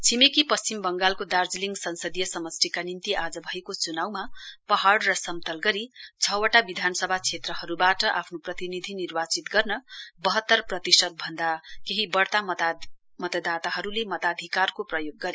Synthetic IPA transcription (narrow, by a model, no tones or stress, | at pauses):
t͡sʰimekipʌst͡simbʌŋɡalkod̪ard͡zliŋɡsʌnsʌd̪ijʌsʌmʌst̪ikanint̪iʔad͡zʌbʱʌjkot͡sunawmapʌɦaɽrʌsʌmt̪ʌlɡʌɾit͡sʰʌwʌʈabid̪ʱanʌsʌbʱat͡sʰet̪rʌɦʌɾubaʈʌʔapʰnoprʌt̪inid̪ʱinirbat͡sit̪ɡʌrnʌbʌɦʌt̪ːʌrprʌt̪isʌt̪̚bʱʌnd̪akeɦibʌɽt̪at̪a | mʌt̪ʌd̪at̪aɦʌɾulemʌt̪ad̪ʱikarkoprʌjoɡːʌɾe